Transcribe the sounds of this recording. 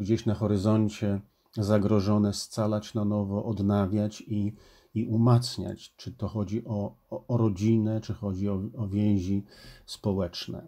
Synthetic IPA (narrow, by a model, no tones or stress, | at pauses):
ɡd͡ʑeɕnaxɔɾɘzɔɲt͡ɕɛ | zaɡɾɔʐɔnɛst̪salat͡ɕnanɔvɔʔɔd̪navʲjat͡ɕiː | ʔumat̪sɲa̰t͡ɕt͡ʂɘt̪ɔxɔd͡ʑiʔɔːɾɔd͡ʑinɛt͡ʂɘxɔd͡ʑiɔɔvʲjɛ̃w̃ʑispɔwɛt͡ʂnɛ̰